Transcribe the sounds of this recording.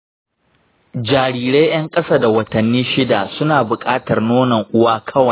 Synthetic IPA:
d͡ʒaː˨ɾiː˨ɾe˦jj̰ɐ˦ŋkʼɐ˦saː˦da˨wɐ˨tɐ˨nːiː˦ʃɪ˦daː˨sʊ˦naː˨bʊ˨kʼaː˦tɐ˨rnoː˦nɐ˨ŋʔʊ˦waː˦kʰɐ˦wɐ˨j

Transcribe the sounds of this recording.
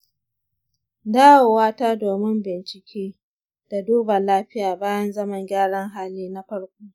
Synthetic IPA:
daː˦woː˨waː˦taː˦doː˨mɪ˦mbɪ˨nt͡ʃɪ˨kʲʰeː˦ | d̥a˨duː˦bɐ˨laː˦ɸɪ˦jaː˨baː˦jɐ˦nzɐ˦mɐ˨ŋɡʲaː˦ɽɐ˦ŋɦaː˦liː˦na˦ɸɐ˦ɽkʷoː˦

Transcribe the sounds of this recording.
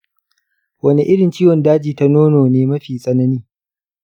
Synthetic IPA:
wɐ˦ni˦ʔɪ˦ɽɪ˨nt͡ʃiː˦wɔ˨ndaː˦d͡ʒiː˨ta˦noː˦noː˨neː˦mɐ˦ɸiː˨sʼɐ˦nɐ˦niː˦

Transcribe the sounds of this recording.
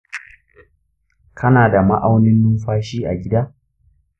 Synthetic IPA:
kʰɐ˦naː˨da˨ma˦ʔa˦wnɪ˦nːu˦ɸaː˦ʃiː˦ʔa̰˨ɡʲɪ˦daː˦

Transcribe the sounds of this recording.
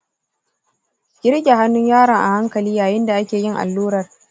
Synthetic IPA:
ɡ̥ʲɪ˦ɾɡʲa˨ha˦nːʊ˦ɲjaː˦ɽɐ˨ŋʔa̰˨ha˦ŋkɐ˨liː˦jaː˨jɪ˦nda˨ʔa˦kʲeː˨jɪ˦ŋʔa̰˨lːuː˦ɾɐ˨r

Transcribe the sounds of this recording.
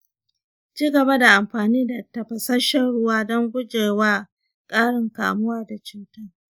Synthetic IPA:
t͡ʃiː˦ɡɐ˨ba˦da˨ʔa˨mɸaː˨niː˦da˨tɐ˨ɸɐ˨sɐ˦ʃɐ˦ɽʊ˦waː˦dɔ˦ŋɡʷʊ˦d͡ʒeː˨waː˦ | kʼaː˦ɽɪ˨ŋka̰ː˨mʊ˦waː˦da˨t͡ʃuː˦tɐ˦r

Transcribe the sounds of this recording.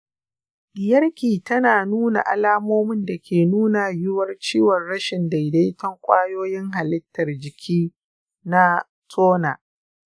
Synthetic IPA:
ɗɪ˨jɐ˦rkʲiː˨tɐ˦naː˨nuː˦na̰˨ʔa̰˨laː˦moː˦mɪ˦nda˨kʲʰeː˨nuː˦na˨jɪ˦wɐ˦rt͡ʃiː˦wɐ˨rɽɐ˦ʃɪ˨nda˨jda˦jtɐ˦ŋkʷʼaː˦joː˦jɪ˦ŋɦa˨lɪ˦tːɐ˨rd͡ʒɪ˨kʲʰiː˦ | na˦ | tʰoː˦na̰ː˨

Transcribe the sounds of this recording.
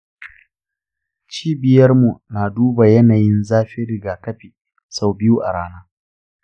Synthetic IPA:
t͡ʃiː˦bɪ˨jɐ˦rmu˨naː˨duː˦ba˨jɐ˦naː˨jɪ˦nzaː˦ɸɪ˦ɾɪ˨ɡaː˨kɐ˦ɸiː˨ | sa˦wbɪ˦ju˦ʔa˨ɽaː˦naː˦

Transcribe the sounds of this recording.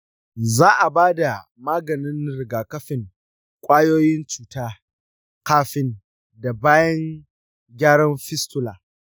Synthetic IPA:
zaː˦ʔa˨baː˦da˨ | maː˦ɡɐ˨nɪ˦nɾɪ˨ɡaː˨kɐ˦ɸɪ˨ŋ | kʷʼaː˦joː˦jɪ˦nt͡ʃuː˨taː˦ | kaː˦ɸɪ˦n | da˨baː˦jɐ˦ŋ | ɡʲaː˦ɽɐ˦mɸɪ˦stʊ˦laː˨

